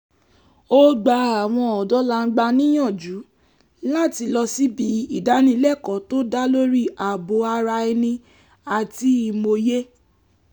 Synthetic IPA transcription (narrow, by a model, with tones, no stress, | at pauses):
o˦ɡ͡ba˧˦a˨w̃ɔ̃˧ɔ˨dɔ˦la˦˧ŋ̩˦ɡ͡ba˧nĩ˦j̃ɔ̃˦˨d͡ʒu˨˦ | la˦˨ti˧lɔ˧si˦bi˨˦i˦˨da˨˦nĩ˧˦lɛ˦˨kɔ˨˦to˦da˦lo˦ɾi˦˨a˨bo˨˦a˧ɾa˧i˧nĩ˧ | a˨ti˧˦i˧˨mo˧je˦